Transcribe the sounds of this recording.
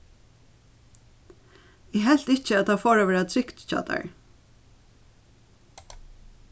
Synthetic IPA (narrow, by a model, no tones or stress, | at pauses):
ɛɦɛl̥t̪ɪt͡ʃəæt̪̚d̪afoːɹaʋɛːɹat̪ʰɾɪkt̪t͡ʃɑ̰ːt̪a̰ɹ